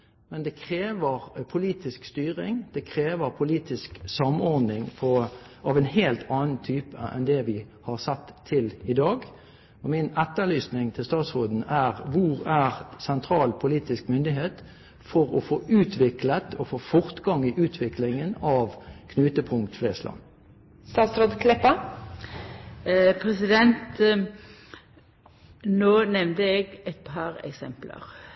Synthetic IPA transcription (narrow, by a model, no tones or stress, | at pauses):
mɛnd̪ɛkʰʁeːʋəʁpʰʊliːt̪ɪskst̪yːʁɪŋd̪̥ɛkʰɾeːʋəɾpʰʊliːt̪ɪsksɑmɔɾd̪nɪŋpʰɔʔɑʋɛnheːlt̪ʰɑːnənt̪ʰyːpəʔɛ̰nd̪ɛʋɪhɑʁsɛt̪ʰːɪlɪd̪ɑːɡ | ɔmɪnɛt̪ːəlyːsnɪŋt̪ʰɪlst̪ɑːt̪sʁuːd̪n̩æʁʋʊʁæɾsɛnt̪ʰɾɑːlpʰʊliːt̪ɪskmʏnd̪ɪɦeːt̪ | fɔʁɔfoːʔʉːt̪ʰʋɪklət̪ʰɔfoːfɔʁt̪ɡɑŋɪʔʉːt̪ʰʋɪklɪŋənɑʋkʰnʉːt̪əpʰʊŋkt̪fleːslɑ̰n | st̪ɑːt̪sɾoːd̪kʰlɛpə | pʰʁɛsɪd̪ɛnt̪ | noːnɛʋnd̪əɛɡɛɪt̪̚pʰɑːɾɛ̰ksɛmplə̰ʁ